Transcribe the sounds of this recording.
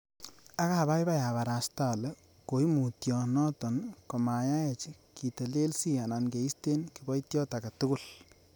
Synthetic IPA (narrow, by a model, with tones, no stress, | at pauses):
a˦kaba˦jba˦ja˨βa˨ɾa˨sta˦˨lɛ˦ | ko˨ji˦mu˨tjɔ˨nɔ˦tɔ˨nko˨ma˨ja˦jɛt͡ʃi˦ | ki˨ta˨le˦lsi˦a˨na˨nke˨i˦ste˦nki˨bɔ˦itjɔ˦ta˨ka˨tu˦ku˦˨l